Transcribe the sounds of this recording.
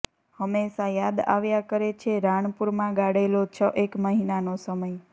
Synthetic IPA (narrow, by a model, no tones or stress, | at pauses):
həmeʃajad̪a̰ʋjakəɾet͡ʃʰeɾaɳ̃puɾmãɡaɽelot͡ʃʰəʔekməɦinanosəməj